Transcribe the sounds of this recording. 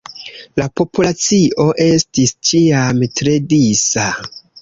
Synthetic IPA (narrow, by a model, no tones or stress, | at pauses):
lapo̞pulat͡siʔo̞ʔe̞stist͡ʃiamtɾe̞disa